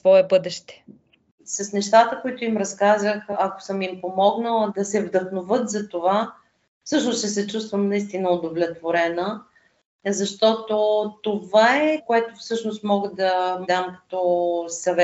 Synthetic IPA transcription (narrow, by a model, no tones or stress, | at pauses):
svɔɛbɤd̪ɛʃt̪ɛ̥ | sɐsnɛʃt̪at̪əkoit̪ʊimɾɐskazəxɐko̥sɤmimpomɔɡnəlˠd̪ɐsɛvd̪ɐxnovɤt̪zɐt̪ova | fsɤʃnost͡ʃɛsɛt͡ʃust̪vəmnɐist̪inəod̪ovlʲɛt̪voɾɛnə | zɐʃt̪ɔt̪ot̪ovaɛkoɛt̪ofsɤʃnost̪mɔɡəd̪ɐd̪amkɐ̥t̪ɔsɐvɛ